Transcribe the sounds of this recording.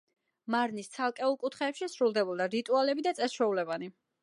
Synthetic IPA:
maɾnist̪sʰalˠkʼɛulˠkʼut̪ʰχɛːpʃisɾulˠd̪ɛbɔlˠd̪aɾit̪ʼualɛbid̪at̪sʼɛsʃwɛulɛbani

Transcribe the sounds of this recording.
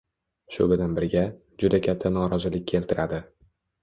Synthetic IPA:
ʃʊ̰bʲɪd̪anbɪɾɡʲa | d͡ʒʊd̪akʲʰat̪ʰːanɒɾɒzɪlɪk̚ʲʰːkʰe̞lt̪ʰɪɾad̪ɪ

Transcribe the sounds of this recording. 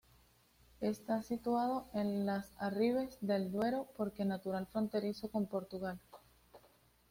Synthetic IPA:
e̞st̪asit̪wað̞o̞ʔe̞nlasariβ̞e̞zd̪e̞ld̪we̞ɾo̞po̞ɾke̞nat̪uɾalfɾo̞nt̪e̞ɾiso̞ko̞mpo̞ɾt̪uɣal

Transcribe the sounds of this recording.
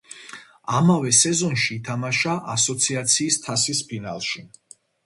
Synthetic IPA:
amavɛsɛzɔnʃiːt̪ʰamaʃaʔasɔt̪sʰiat̪sʰiːst̪ʰasispʰina̰lˠʃi

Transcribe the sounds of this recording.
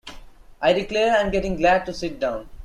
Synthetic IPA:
ʔaɪɖɪkleːɾãɪ̃mɡɛʈɪ̃ŋɡlæɖ̚ʈusɪʈ̚ɖãʊ̃n

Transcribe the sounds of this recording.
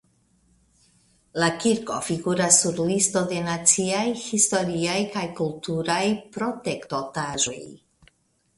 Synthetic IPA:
lakiɾko̞̰fiɡuɾasːuɾlisto̞de̞nat͡siajhisto̞ɾiajkajkultuɾajpɾo̞te̞kto̞taʒo̞j

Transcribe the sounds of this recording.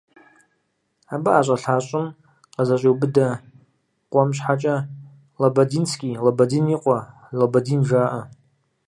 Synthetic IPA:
abaaɕʷʼaɬat͡ʃʷʼʊn | qazat͡ʃʷʼowbɨda | qʷʼamʃħat͡ʃʼa | labadint͡sʰkʲʼilabadiniqʷʼa | labadinʐaːʔa

